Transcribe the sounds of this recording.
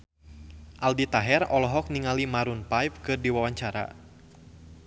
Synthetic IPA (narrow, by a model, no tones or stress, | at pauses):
ʔaldit̪aɦɛrɔlɔɦɔk̚niŋalimaɾunpajp̚kɨrdiwawaɲt͡ʃaɾa̰